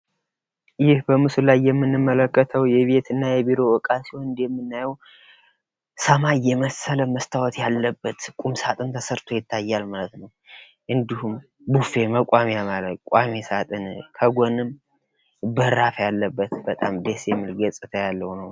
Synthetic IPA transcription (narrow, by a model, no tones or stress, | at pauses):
jɪhbəmɨsulajːɛmːɨnːɨmːələkːət̪ʰəwjɛβe̞t̪ʰɨnːajɛbiɾo̞wɔkʼasiwoɨnd̪jɛmːɨnːajɛw | səmajːɛməsələməst̪ʰawɔt̪ʰjalːəbːət̪kʼumsat̪ʼɨnt̪ʰəsəɾt̪ʰo̞jɪt̪ʰːajːalmalət̪nəw | ʔɨnd̪ihum | bufe̞məkʷʼamejamaləkʼamesat̪ʼɨnkʰəɡʷonɨm | bəɾafjalːəbːət̪bət̪ʼamd̪esjɛmːɨlɡəsʼɨt̪ʰəjalːəwnəw